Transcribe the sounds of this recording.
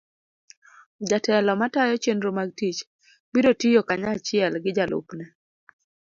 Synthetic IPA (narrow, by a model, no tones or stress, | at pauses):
d͡ʒatɛlɔmatajɔt͡ʃendɾomaɡ̚tit͡ʃ | biɾotijokaɲat͡ʃɪɛlɡɪd͡ʒalʔʊ̰pnɛ